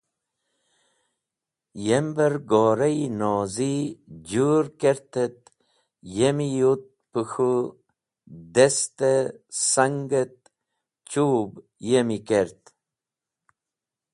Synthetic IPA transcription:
jembəɾɡoːɾɐjnoːzid͡ʑuːɾkeɾt̪ət̪̚ | jemijut̪̚puxu | d̪est̪esɐŋɡət̪̚ | t͡ɕuːb | jemikeɾt̪

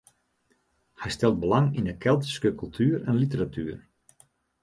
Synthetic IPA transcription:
hɛjstɛlˠt̚bəlaŋindəkʰɛlˠtə̥skəkylˠtʰyːɾɛnlit̬əɾatyər

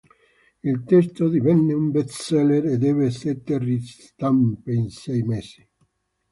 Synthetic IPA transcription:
ilt̪ɛst̪od̪ivɛnːeumbet̪sɛleɾed̪ɛveset̪ːeris | t̪ampeinsɛjmesi̥

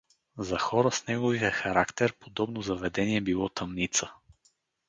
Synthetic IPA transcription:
zɐxɔɾəsnɛɡovijɛxɐɾakt̪ɛɾpod̪ɔbnozɐvɛd̪ɛniɛbilˠɔt̪ɐmnit̪sə

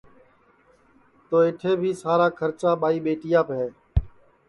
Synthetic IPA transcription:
t̪oːɪʈʰeːbʱiːsaːɾaːkʰəɾt͡ʃaːɓaːiːɓeːʈɪjãːpɦɛː

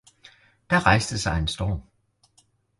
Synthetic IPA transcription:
d̥ɑ̈ʁɑ̈ɪ̰sd̥əsɑ̈ɪensd̥ɒ̰ːm

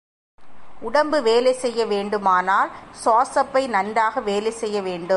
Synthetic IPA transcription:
ʊɽɐmbɯʋeːlɐɪsɛjːɐʋeːɳɖɯmaːnaːlsoːsɐpːɐɪnɐnraːɣɐʋeːlɐɪsɛjːɐʋeːɳɖɯm

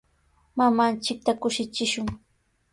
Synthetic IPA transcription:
mamant͡ʃɪk̚t̪akʊʃɪt͡ʃɪʃʊŋ

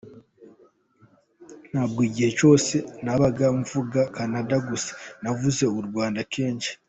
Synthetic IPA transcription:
n̥haːb̚ɡoiːɟihe̞t͡ʃo̞ːse̞naβaɡamuvuɡakanadaɡuse̥navuze̞uɾɡwaːndakeːɲt͡ʃi̥

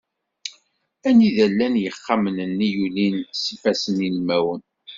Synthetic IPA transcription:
æniðælːænjəχːamənənːijulinsəfæsənilmæwən

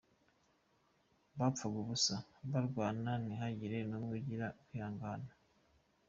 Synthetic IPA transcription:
βafaɡuβusaβaɾɡwaːnaniɦaɟiɾenomɡuɟiɾakujaːŋɡaːna

